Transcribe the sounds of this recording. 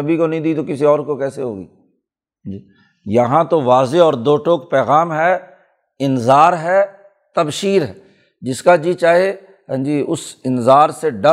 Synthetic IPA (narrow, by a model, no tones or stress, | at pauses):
ɐbʱikonɐɦĩd̪iːt̪̬okɪsiɔːɾkokɛːseɦoːɡḭː | d͡ʒiː | jɐɦãt̪oʋaːzeɔːɾd̪oːʈoːkpɛːɣaːmɦɛː | ɪnzaːɾɦɛː | t̪ɐbʃiːɾɦɛː | d͡ʒɪskad͡ʒit͡ʃaːɦe | ɦãd͡ʒiːʊsɪnzaːɾseɖɐ